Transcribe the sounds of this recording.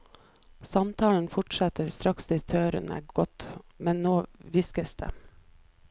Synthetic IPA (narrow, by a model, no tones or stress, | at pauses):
sɑmt̪ʰɑːln̩fɔʈsɑt̪əɾst̪ɾɑksd̪ɪt̪ʰøːɾə̰næ̰ːɡ̥ɔt̪mɛnnoːʋɪskəsd̪̥ḛː